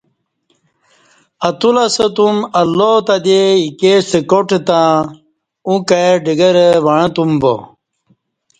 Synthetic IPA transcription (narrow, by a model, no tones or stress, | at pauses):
ɐt̪ulɐsət̪umɐlːot̪ɐd̪eikesəkoʈt̪ã | ũkaɖiɡəɾəʋɐɻ̃ɐ̃t̪umbo̰